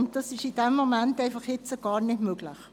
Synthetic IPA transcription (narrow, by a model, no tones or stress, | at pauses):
ʊnt̚d̥ɑsɪʃɪd̥ɛmːomɛntæɪfɑχhɪt͡səɡ̥ɑːɾnɪdmøːɡlɪ̰χ